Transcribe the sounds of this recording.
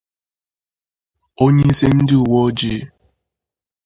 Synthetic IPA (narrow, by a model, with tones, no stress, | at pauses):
o˦ɲe˦i˦se˦n̩˦dɪ˦ʊ˨wɔ˦d͡ʒe˦˨˦